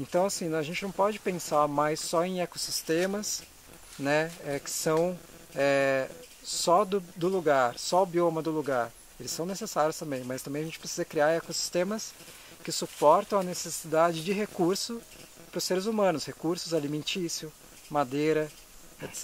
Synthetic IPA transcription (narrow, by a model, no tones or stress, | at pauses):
ẽnt̪ɐ̃w̃asĩnɐ̃wɐʒẽnt͡ʃɪnɐ̃w̃pɔd͡ʒɪpẽsaɾmajsːɔẽj̃ekosist̪ẽmɐs | nɛɛkɪ̥sɐ̃w̃ | ɛ | sɔd̪ʊd̪ʊluɡaɾsɔbiomɐd̪ʊluɡaɾ | elɪsːɐ̃w̃nesesaɾjʊst̪ɐ̃mbẽj̃mɐzst̪ɐ̃mbẽjɐʒẽnt͡ʃɪpɾesizɐkɾiaɾekosi̥st̪ẽmɐs | kɪsupɔɾt̪ɐ̃w̃ɐnesesid̪ad͡ʒɪd͡ʒɪɦekuɾsʊ | pɾʊsːeɾɪzumɐ̃nʊshekuɾsʊzalimẽnt͡ʃisiʊ | mad̪ejɾɐ | et̪sɛ